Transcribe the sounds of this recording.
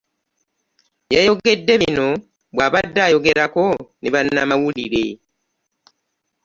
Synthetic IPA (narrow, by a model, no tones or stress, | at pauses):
jajo̞ɡe̞dːe̞βino̞ | βwaːβadːajo̞ɡe̞ɾako̞niβanːamawulḭɾe̞